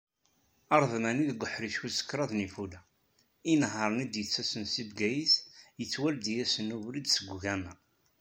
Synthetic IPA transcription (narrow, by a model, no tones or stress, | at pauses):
ɑɾˤðmæniðɡʷəħɾiʃusə̥kːɾˤɑðnifulæ | inɦəɾˤnid̪jət͡sːæsənsibɡæjisjət͡sːwæld̪ijæsənuvɾid̪səɡʷɣænæ